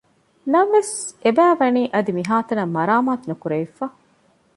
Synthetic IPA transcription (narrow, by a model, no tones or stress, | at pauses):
nɐnʋesebæːʋɐniːʔɐd̪imiɦaːt̪ɐnɐmːɐɾaːmaːt̪unukuɾeifːa